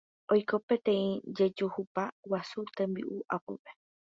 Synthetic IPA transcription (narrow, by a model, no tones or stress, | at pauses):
ojko̞pe̞t̪ẽĩd͡ʒe̞d͡ʒuhupawasut̪ẽmbḭʔuʔapope